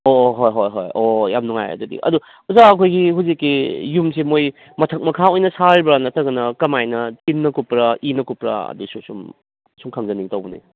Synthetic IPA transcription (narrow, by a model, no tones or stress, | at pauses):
oɦojɦojɦo̰jojamnuŋa̰jɐ̰dudḭʔɐ̰du | uzaɐkʰojɡiɦuzikːijumsimoj | mɐtʰɐk̚mɐkʰaojnɐsaɾibɾanɐtɐɡɐnɐkɐmajnɐtinːɐkupɾɐinɐkupɾɐ̰ɐ̰dususum | suŋkʰaŋzɐniŋtɐwɡunḭ